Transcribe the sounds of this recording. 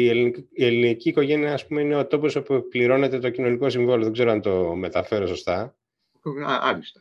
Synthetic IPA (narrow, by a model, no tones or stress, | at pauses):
ielinie̞liniciːko̞ʝe̞niɐːspume̞ine̞ot̪o̞po̞so̞pupliɾo̞ne̞t̪e̞t̪o̞cino̞niko̞siɱvoloðe̞ɡzeɾoɐnt̪o̞me̞t̪ɐfe̞ɾo̞so̞st̪ɐ | ɐɐlist̪o̥